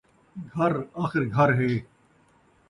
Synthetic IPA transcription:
ɡʱɐɾaːxɪɾɡʱɐɾɦeː

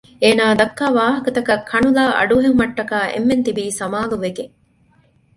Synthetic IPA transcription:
eːnaːd̪ɐkːaːʋaːɦɐkɐt̪ɐkɐkʰːɐɳulaːʔɐ̰ɖuɦeŋmɐʈːɐkaːʔḛmːent̪ibiːsɐmaːluʋeɡeŋ

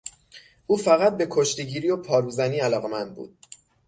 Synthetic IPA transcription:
ʔuːfæɣæt̪̚be̞kʰo̞ʃt̪eɟiːɾijopʰɒːɾuːzæniːælɒːɣe̞mænd̪̚bṵːd̪̥̚

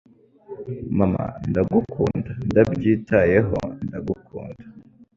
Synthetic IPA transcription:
mama̰ndaɡukʰuːndandabɟiːtʰaje̞ɦo̞̰ndaɡukʰuːndḁ

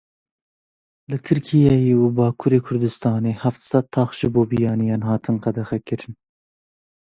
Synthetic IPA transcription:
lɨt̪ʰɨɾkʰijɑjeːwubɑːkʰuɾeːkʰʊɾd̪ɨst̪ɑːneːhaft̪sɑt̪ʰːɑːxʒɨboːbijɑːnijɑːnhɑːt̪ʰɨnqæd̪ɛxɛkɨɾɨn

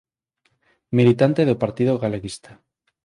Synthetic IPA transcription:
milit̪ant̪eðopaɾt̪iðoɣaleɣist̪ḁ

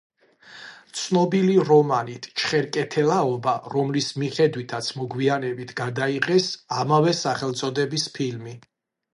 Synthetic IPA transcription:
t̪sʰnɔbiliɾɔmanit̪ʰt͡ʃʰχɛɾkʼɛt̪ʰɛlaɔbaɾɔmlismiχɛd̪wit̪ʰat̪sʰmɔɡwianɛbit̪ʰɡ̥ad̪aiʁɛsamavɛsaχɛlt̪sʼɔd̪ɛbispʰilmi

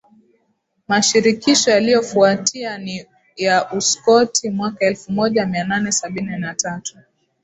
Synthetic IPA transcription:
maʃiɾikiʃɔjalijɔfuatʰiani | jaʔuskɔtʰimwakaɛlfumɔʄamiananɛsaɓininatatu̥

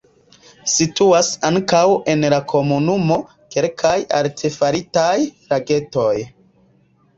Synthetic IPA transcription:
situasaŋkawe̞nlakʰo̞munumo̞ | ke̞lkʰaja̰ltʰefaɾitajɾaɡe̞to̞j

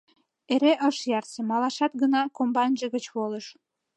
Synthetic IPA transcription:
eɾeʔəʃjɑrsemɑlɑʃɑt̪̚ɡənɑkombɑnʲʒəɣət͡ɕβoləʃ

